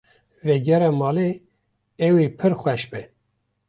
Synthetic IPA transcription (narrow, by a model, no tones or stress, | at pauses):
vɛɡɛɾɛmɑːle | ɛwepʰɨɾxʷɛʃbɨ